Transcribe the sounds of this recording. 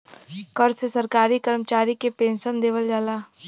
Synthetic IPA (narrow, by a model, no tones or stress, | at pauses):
kəɾsesɐɾkaːɾikəɾmət͡ʃaːɾikepẽːnʃənd̪eːʋəld͡ʒaːlaː